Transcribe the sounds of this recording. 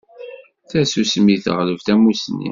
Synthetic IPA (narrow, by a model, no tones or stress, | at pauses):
θæsusmiθə̰ʁləvθæmusnḭ